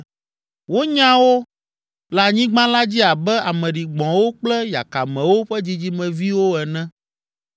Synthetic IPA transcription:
wo˦ɲã˦wo˦ | la˨ɲĩ˦ɡ͡bã˦la˦d͡ʑi˦a˨bɛ˦a˨mɛ̃˨ɖi˨ɡ͡bɔ̃˨wo˦k͡plɛ˦ja̰˨ka˨mɛ̃˨wo˦ɸɛ˦d͡ʑi˦d͡ʑi˦mɛ̃˨vi˦wo˦ɛ˨nɛ̃˦

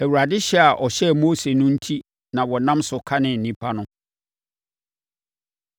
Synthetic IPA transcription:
æ˨wu˨ɾa˨dɪ˦ɕɛ˦a˨ʔɔ˨ɕɛ˦moː˦se˨nʊ̃˦n̩˦tʰi˦ | nã˨wɔ˨nã˦msʊ˨kʰa˦nɪ̃˨n̩˨nĩ˦pʰa˦nʊ̃˦

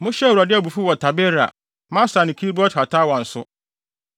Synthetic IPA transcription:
mʊ̃˦ɕɛ˦˨u˨ɾa˨dɪ˦a˨bu˨fu˦wɔ˨tʰa˨bɛ˦ɾa̰˨ | mã˦sa˨nɪ̃˨kʰi˦bɔ˦tha˨tʰa˦wɔ̃˨n̩˨sʊ˦

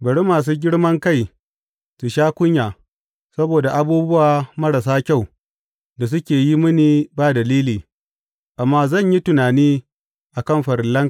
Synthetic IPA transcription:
bɐ˨ɽe˦maː˨s̬uː˦ɡʲɪ˦ɽmɐ˦ŋka˦˨j | su˨ʃaː˦kʷʊ˦ɲjaː˨ | sɐ˦boː˨da˨ʔa˨buː˦bʊ˦waː˨mɐ˦ɽa˨s̬aː˦kʲa˦˨w | da˨s̬ʊ˦kʲeː˨ji˦mʊ˦niː˨baː˦dɐ˨liː˦liː˨ | ʔa˨mːaː˦zɐ˦˨ɲji˦tʊ˨naː˨niː˦ | ʔa˨kɐ˦˨mɸɐ˨ɾɪ˨lːɐ˦ŋ

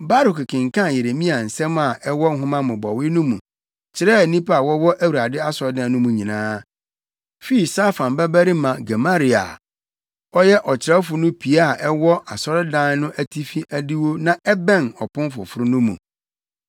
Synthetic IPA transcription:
ba˦ɾʊ˨kkʰɪ̃˨ŋkʰã˦˨je˨ɾe˨mĩ˦a˨n̩˨sɛ̃˦m˦a˨ʔɛ˦wɔ˦ŋ˦ɦʊ̃˦mã˦mʊ̃˨bɔ˨wɪ˦nʊ̃˦mũ˨ | t͡ɕʰɪ˨ɾɛ˦˨nĩ˦pa˦a˨wɔ˦wɔ˦ʔæ˦wu˨a˨dɪ˦a˦sɔ˨ɾdɪ̃˦ã˨nʊ̃˦mũ˨ɲĩ˨nãː˦ | fi˦i˨sa˦fã˨mbɛ˦bæ˦ɾi˦mã˨ɡa˨ma˦ɾi˨a̰˨ | ɔ˦jɛ˦ʔɔ˨t͡ɕʰɪ˨ɾɛ˦fʊ˨nʊ̃˦pʰi˨a˦a˨ʔɛ˦wɔ˦a˨sɔ˦ɾɪ˦dã˦n˦nʊ̃˦ʔæ˦tʰi˦fi˦ʔæ˦di˦wo˦nã˨ɛ˦bɛ̃˦˨nɔ̰˨pʰʊ̃˦mfʊ̰˨fʊ˦ɾʊ˦nʊ̃˦mṵ̃˨

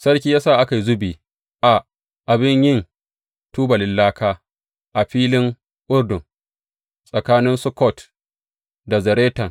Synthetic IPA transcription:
sɐ˦ɽk̬ʲiː˦jaː˦saː˦˨ʔa˦ka˨jzʊ˦biː˨ | ʔa˨ | ʔa˨bɪ˦ɲjɪ˦n | tuː˦ba˨lɪ˨lːaː˦kʰaː˦ | ʔa˨ɸiː˦lɪ˦ŋ | ʔʊ˦rdʊ˨ŋ | sʼɐ˨kaː˦nɪ˦nsʊ˦kɔ˦˨t | da˨zɐ˨ɾeː˦tɐ˨ŋ

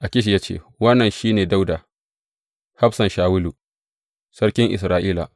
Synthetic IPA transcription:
ʔa˨kʲɪ˦ʃ̬i˨jaː˦t͡ʃḛː˦˨ | wɐ˦nːɐ˨nʃiː˦neː˨da˦wda˨ | ha˦ɸsɐ˨nʃaː˨wʊ˦lu˨ | sɐ˦ɽkʲɪ˦ŋʔɪ˨sɾaː˨ʔiː˦la̰˨ʔ

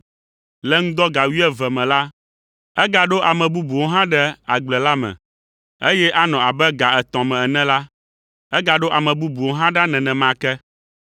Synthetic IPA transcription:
lɛ˦ŋ̩̃˦d̪ɔ˦ɡa˨wi˦ɛ˦vɛ˨mɛ̃˨la˦ | ɛ˦ɡa˨ɖo˦ʔa˨mɛ̃˨bu˦bu˨wo˦ɦã˦ɖɛ˦a˨ɡ͡blɛ˨la˦mɛ̰̃˨ | e˦jɛ˦ʔa˦nɔ̃˨a˨bɛ˦ɡa˨ɛ˨t̪ɔ̃˨mɛ̃˨ɛ˨nɛ̃˦la˦ | ɛ˦ɡa˨ɖo˦ʔa˨mɛ̃˨bu˦bu˨wo˦ɦã˦ɖa˦nɛ̃˨nɛ̃˨mã˦kɛ˦

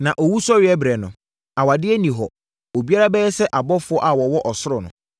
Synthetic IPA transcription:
nã˨ʔɔ˨wu˦sɔ˦ɥɪ˨ɛ˦bɾɛ˨nʊ̃˨ | a˨wa˨dɪ˦ɛ˦nĩ˨ɦɔ˨ | o˨bi˦a˦ɾa˦bɛː˦ɛ˦sɛ˦ʔa˨bɔ˦fʊ˨˦ɔ˦ʔa˨wɔ˨wɔ˦ʔɔ˨sʊ˦ɾʊ˨nʊ̰̃˨

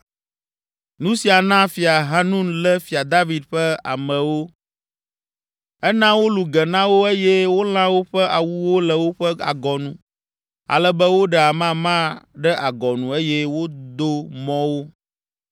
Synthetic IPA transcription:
nũ˦si˨a˨nã˦fi˨a˨ɦa˦nũ˦nlɛ˦fi˨a˨d̪a˦vi˨d̪ɸɛ˦a̰˨mɛ̃˨wo˦ | ɛ˦nã˦wo˦lu˨ɡɛ˨nã˦wo˦e˦jɛ˦wo˦l̃ã˦wo˦ɸɛ˦a˨wu˦wo˦lɛ˨wo˦ɸɛ˦a̰˨ɡɔ˨nũ˨ | a̰˨lɛ˦bɛ˦wo˦ɖɛ˨a˨mã˦mã˦ɖɛ˦ʔa˨ɡɔ˨nũ˨e˦jɛ˦wo˦d̪o˦mɔ̃˦wo˦

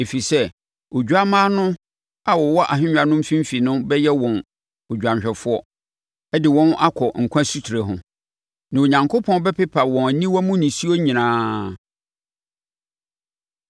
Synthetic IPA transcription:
e˨fi˨sɛ˦ | o˨d͡ʑᶣu˨a˦mãː˦nʊ̃˦ | a˨wɔ˨wɔ˦ʔa̰˨ɦɪ̃˦ɲᶣ˨a˨nʊ̃˦m̩˦fĩ˦m̩˦fi˨nʊ̃˦bɛ˦jɛ˦wɔ̃˨n | o˨d͡ʑᶣã˨ɕᶣɛ˨fʊ˦ɔ˦ | ɛ˦dɪ˨wɔ̃˦na˦kʰɔ˨ŋ̩˨kʷʰã˦su˦tʰi˨ɾe˨ɦʊ̰̃˨ | nã˨o˨ɲã˨ŋkʰo˦pʰɔ̃˦n˦bɛ˦pɪ˦pʰa˨wɔ̃˨æ˨nĩ˦wɔ˦mũ˦nĩ˨si˦o˦ɲĩ˨nãː˦

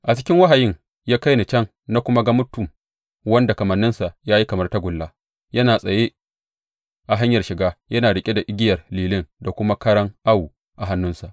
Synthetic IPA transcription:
ʔa˨t͡ʃɪ̥˦kʲɪ˦ŋwa˦ɦa˨jɪ˦ŋ | jaː˦ka˦jni˨t͡ʃɐ˦ŋ | na˦kʷʊ˦ma˦ɡa˦mʊ˦tːʊ˨m | wɐ˦nda˨kɐ˨mɐ˨nːɪ˦nsa˨ʔjaː˦ji˦kɐ˨mɐ˦rta˦ɡʷʊ˨lːaː˦ | jɐ˦naː˨sʼɐ˨jeː˦ | ʔa˨ɦa˦ɲjɐ˨rʃɪ˨ɡaː˦jɐ˦naː˨ɽɪ˨kʲʼe˦da˨ʔɪ˦ɡʲɪ˦jɐ˨rliː˨lɪ˦ŋda˨kʷʊ˦ma˦kɐ˦ɽɐ˦ŋʔa˦wu˨ | ʔa˨ɦa˦nːʊ˦nsa˨ʔ

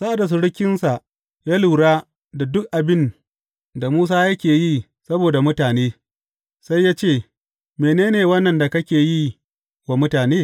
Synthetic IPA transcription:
sa˦ʔa˨da˨s̬ʊ˨ɽʊ˦kʲɪ˦nsa˨ʔ | jaː˦lu˨ɽaː˦ | da˨dʊ˦k̚ʔa˨bɪ˦n | da˨muː˦s̬aː˦jɐ˦kʲeː˨ji˦˨ | sɐ˦boː˨da˨mʊ˦taː˨neː˦ | sa˦jːaː˦t͡ʃeː˦˨ | meː˨neː˦neː˨wɐ˦nːɐ˨nda˨kɐ˦kʲeː˨ji˦˨ | wa˨mʊ˦taː˨neː˦

